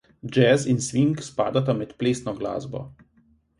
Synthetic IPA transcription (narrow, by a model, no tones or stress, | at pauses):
d͡ʒɛzinsʋiŋkspa̰ːd̪at̪amɛt̪pleːst̪nɔɡla̰ːzbɔ̰